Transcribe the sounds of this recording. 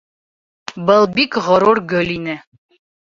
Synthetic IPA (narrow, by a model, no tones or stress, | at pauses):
bɤlˠbikʁŏɾurɡɵlʲinɘ